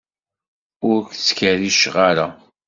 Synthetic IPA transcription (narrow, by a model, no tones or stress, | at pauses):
ʊɾkt͡sːkəɾiʃʁaɾa